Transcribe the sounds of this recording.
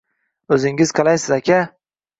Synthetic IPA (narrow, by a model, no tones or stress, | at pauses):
ɵzɪŋɪz̥qʰɑlajsɪzakʲʰa